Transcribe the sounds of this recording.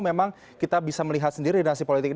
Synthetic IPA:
memaŋ | kit̪abisaməliɦat̪̚səndiɾidnasipolit̪ɪk̚

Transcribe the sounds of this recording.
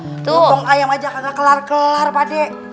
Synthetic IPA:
t̪ʊɔŋajamad͡ʒakaɡakəlarkəlarpadɛ

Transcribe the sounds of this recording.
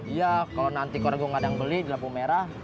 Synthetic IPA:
jakalonant̪ikɔɾaɡɔŋadaŋbəlidilapumeɾah

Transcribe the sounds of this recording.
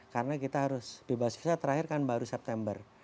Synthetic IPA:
karnakit̪aɦaɾʊsb̥ebaski̥sat̪əɾahɪrkanbaɾusɛp̚t̪ɛmbər

